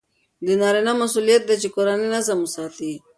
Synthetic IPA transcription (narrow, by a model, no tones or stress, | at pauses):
d̪ənaɾinamɐsulijat̪̚d̪at͡ʃekoɾaninazɐmusaːt̪i